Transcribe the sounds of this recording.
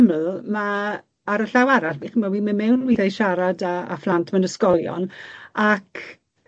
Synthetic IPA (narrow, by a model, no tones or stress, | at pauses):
mlma | aɾəɬawaɾaɬmiχmawiːmɪmɛwnwiθajʃaɾada̰ːflˠantʰmanəskɔlˠjɔ̰nakʰ